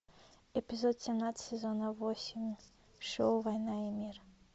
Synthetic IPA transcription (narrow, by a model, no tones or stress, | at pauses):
ɛpʲizɔt̪sʲɛmnat̪sʲsʲɛzɔnɐvɔsʲimʲ | ʂɔwvajnaimʲir